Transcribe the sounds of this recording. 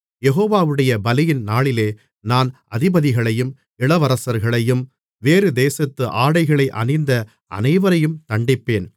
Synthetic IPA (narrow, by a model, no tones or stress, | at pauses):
jɛɣoːʋaːʋɯɽɐjɐbɐlɪjɪnnaːɭɪleː | naːn | ɐðɪbɐðɪɣɐɭɐjɯm | ɪɭɐʋɐɾɐsɐɾɣɐɭɐjɯm | ʋeːɾɯd̪eːsɐt̪ːɯʔaːɽɐɪɣɐɭɐɪʔɐ̰nɐɪnd̪ɐ | ɐ̰nɐɪʋɐɾɐjɯmt̪ɐɳɖɪpːeːn